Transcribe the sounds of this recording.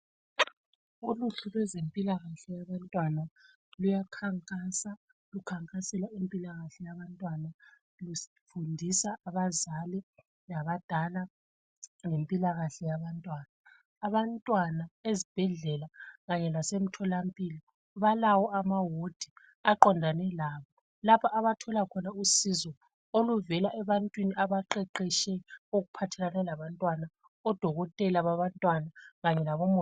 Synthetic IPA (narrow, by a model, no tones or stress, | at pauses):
uluɬulwɛzempʼilaɣaɬɛjaβantʼwana | lujakʰaŋkʼasa | lukʰaŋkʰʼasɛlaempʼilaɣaɬɛjaβantʼwana | lus | fundʱisaːβazali | laβad̥ʱala | ŋempʼilaɣaɬɛjaβantʼwaːnaː | βantʼwanaezib̥ʱɛɮɛlaɣaɲɛlasem̩tʰɔlampʼilɔ | βalawɔamawod̥ʱi | aǃɔndʱanɛlaːβɔ | lapʰaaβatʰɔlakʰɔnausizɔ | oluvɛlaʔɛβantʼwiniaβaǃɛǃɛʃɛoɣupʰatʰɛlanɛlaβantʼwana | ɔd̥ʱɔɣɔtʼɛlaβaβantʼwanaɣaɲɛlaβɔmɔ